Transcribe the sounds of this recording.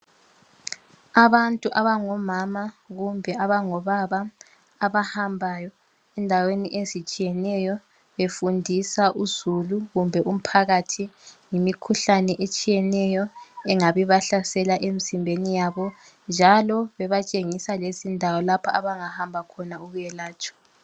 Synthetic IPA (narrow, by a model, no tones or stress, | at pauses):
aβantʼuʔaβaŋɔmamaɣumbʱɛaβaŋɔβaβaː | βahambʱajɔ | ɛndʱaweniʔezit͡ʃʼijɛnɛjɔ | βefundʱisaʔuzuluɣumbʱɛʔum̩pʰaɣatʰiŋimikʰuɬanɛʔet͡ʃʼijɛnɛjɔɛŋaβiβaɬasɛlaʔemizimbʱenijaβɔ | nd͡ʒʱalɔβɛβat͡ʃʼeŋisalezindʱawɔlapʰaaβaŋahambʱakʰɔnauɣujɛlaːt͡ʃʼɔ̥